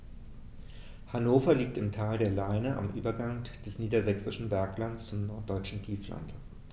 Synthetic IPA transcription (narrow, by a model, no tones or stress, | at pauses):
hanoːfɐliːk̚tɪmtʰaːldeːɐlaɪnəʔa̰mʔyːbɐɡaŋd̥ɛsniːdɐzɛksɪʃn̩bɛɐklant͡st͡sʊmnɔɐt̚d̥ɔʏt͡ʃn̩tʰiːfla̰nt